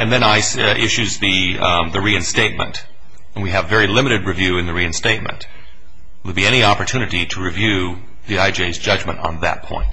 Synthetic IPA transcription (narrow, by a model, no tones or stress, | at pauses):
ɨ̃nðɨ̃naɪsʔɪʃʉzðɨðɨɹiɨ̃nsteɪt̚mɨ̰̃nt | ə̃nwiɨvːɛɹilɪ̃mɨɾɨd̚ɹivjʉɨ̃nðɨɹiɨ̃nsteɪt̚mɨ̰̃nt | lˠbiɛñiɑpə˞tʰʉñɨɾiɾəɹivjʉ | ðiaɪd͡ʒeɪzd͡ʒʌd͡ʒmɨ̃ntn̩ðɨ̰t̚pʰɔ̰̃ɪ̃nt̚